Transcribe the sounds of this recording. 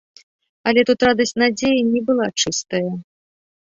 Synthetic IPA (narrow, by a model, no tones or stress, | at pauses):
ɐlʲɛt̪ut̪rad̪ɐsʲt͡sʲnad͡zʲejinʲɛbɨlˠat͡ʂɨst̪ɐjɐ